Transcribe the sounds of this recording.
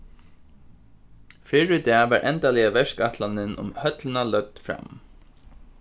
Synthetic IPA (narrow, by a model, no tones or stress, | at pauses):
fɪɹɪt̪aʋaɹʔɛ̰nt̪alɪjaʋɛʂkaht̪lanɪnʔʊ̰mhœt̪lɪnalœt̪fɾa̰m